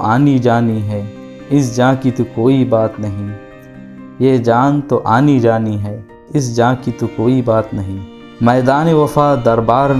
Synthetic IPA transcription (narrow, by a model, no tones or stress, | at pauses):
ʔaːnid͡ʒaːniɦɛː | ɪsd͡ʒãːkit̪ukoːibaːt̪nɐɦĩː | jeːd͡ʒaːnt̪oʔaːnid͡ʒaːniɦɛː | ɪs̬d͡ʒãːkit̪ukoːibaːt̪nɐɦĩː | mɛːd̪aːneʋɐfaːd̪ɐɾbaːɾ